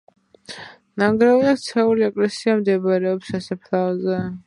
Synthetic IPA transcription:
naŋɡɾaviakt̪sʰɛuliɛkʼlɛsiamd̪ɛbaɾɛɔpsasɛpʰlazɛ

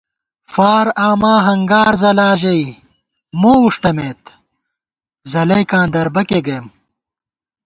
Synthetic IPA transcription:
faːɾaːmaːɦɐŋɡaːɾzɐlaːʑɐi | moːuʂʈɐmeːt̪ | zɐlɐjkãːnd̪ɐɾbɐkeɡɐjm

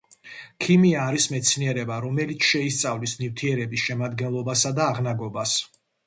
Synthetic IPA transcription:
kʰimiaːɾismɛt̪sʰniɛɾɛbaɾɔmɛlit̪sʰʃɛist̪sʼavlismnift̪ʰiɛɾɛbisʃɛmad̪ɡɛnlˠɔbasad̪aːʁnaɡɔbas

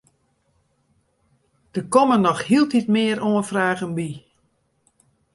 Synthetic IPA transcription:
d̥əkɔmənɔxhiəlˠtitmɪəɾoənfraːɣənbi

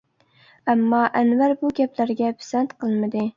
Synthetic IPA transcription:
æmːɑʔænvæɾbuɡʲɛplæɾɡʲɛpʰɪ̥sɛnt̪qʰɨlˠmɪd̪ɪ

